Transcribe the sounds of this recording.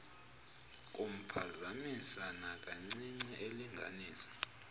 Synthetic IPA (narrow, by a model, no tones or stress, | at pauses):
k̬ʼom̩pʰazamisanakʼaŋ͡ǀiŋ͡ǀiʔeliŋɡʱaniːsḁ